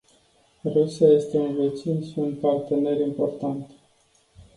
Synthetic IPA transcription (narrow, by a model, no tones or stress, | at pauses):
rusijaje̞st̪e̞unve̞t͡ʃinʃiunt̪̚part̪e̞ne̞ɾimpo̞rt̪ant̪